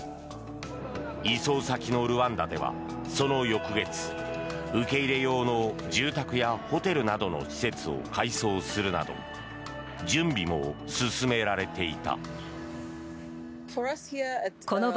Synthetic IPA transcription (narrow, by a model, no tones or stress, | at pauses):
iso̞ːsakʲino̞ɾɯ̟βãnd̪ad̪e̞̰βa̰ | so̞no̞jo̞kɯ̟ɡe̞t͡sɨ̥ɯ̟ke̞iɾe̞jo̞ːno̞d͡ʑɨːt̪akɯ̟jaho̞t̪e̞ɾɯ̟nad̪o̞no̞̰ɕi̥se̞t͡sɨo̞̰kʰaiso̞ːsɨɾɯ̟na̰d̪o̞̰ | d͡ʑɨ̃mbʲimo̞sɨsɨme̞ɾaɾe̞t̪e̞it̪a̰ | fɔʌshikono